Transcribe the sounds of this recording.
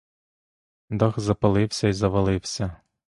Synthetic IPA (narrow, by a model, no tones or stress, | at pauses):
d̪ɑxzɐpɐlˠɪwsʲɐizɐʋɐlˠɪwsʲɐ